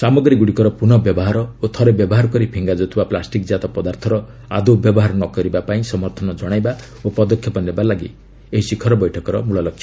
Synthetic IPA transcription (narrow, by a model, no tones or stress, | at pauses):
samɔɡɾiɡuɽikɔɾɔpuñɔbjɔbɔɦaɾɔot̪ʰɔɾebjɔbɔɦaɾɔkɔɾipʰiŋɡad͡ʒot̪ʰibaplasʈikd͡ʒat̪ɔpɔd̪aɾt̪ʰɔɾɔ | a̰d̪ubjɔbɔɦaɾɔnɔkɔɾibapaĩsɔmɔɾt̪ʰɔnɔd͡ʒɔɽ̃ajba | opɔd̪ɔkʰjɔpɔnebalaɡḭ | eɦisikʰːɔɾɔbɔjʈʰɔkɔɾɔmuɭɔlɔkʰːjɔ